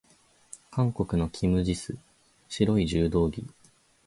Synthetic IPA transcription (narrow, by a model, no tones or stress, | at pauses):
kãŋko̞kɯ̟no̞kʲʰimɯ̟ʑisɨ | ɕiɾo̞iʑɨːd̪o̞ːɡʲi